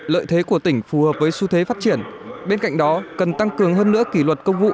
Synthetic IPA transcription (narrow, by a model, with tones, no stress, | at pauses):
lə̰ː˧˨jt̪ʰe˨˦ku˧˩ət̪ï˧˩ŋ̟fu˨˩həː˨˩p̚vəː˨˦jsu˧t̪ʰwe˨˦faː˦˥t̚t͡ɕi˧˩ənɓe˧nka̰˧˨jŋ̟ɗɔ˨˦kə˨˩nt̪a˧ŋkɨ˨˩əŋɦəː˧nːɨ̰˧˥əki˧˩lwə˨˩t̚kə˧wŋ͡mvṵ˧˨